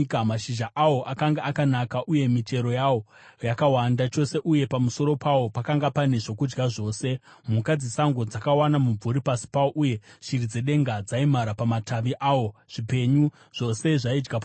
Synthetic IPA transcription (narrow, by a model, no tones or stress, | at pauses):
kamaʃiʒaʔawo̞ʔakaŋɡaakanakaʔuje̞mite̞ɾo̞jawo̞ | jakawandat͡ʃo̞se̞ʔuje̞pamuso̞ɾo̞pawo̞pakaŋɡapane̞ʐo̞kud͡ʒɡaʐo̞ːse̞ | mukad͡zisaŋɡo̞d͡zakawanamuɱvuɾipasi̥pawoʔuje̞ʃirid͡zeɗe̞ŋɡad͡zaimaɾapamatʰaʋiʔaːwo̞ʐ̥ipe̞ɲu | ʐ̥o̞se̞ʐaid͡ʒɡap